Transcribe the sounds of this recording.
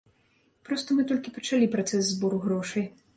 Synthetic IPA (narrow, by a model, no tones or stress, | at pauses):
pɾɔst̪ɐmɨt̪ɔlʲkʲipɐt͡ʂalʲipɾat̪sɛzzbɔɾuɣɾɔʂɐj